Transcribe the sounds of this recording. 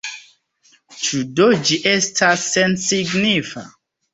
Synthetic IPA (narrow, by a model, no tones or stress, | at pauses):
t͡ʃudod͡ʒiʔestʰasensiɡnifa̰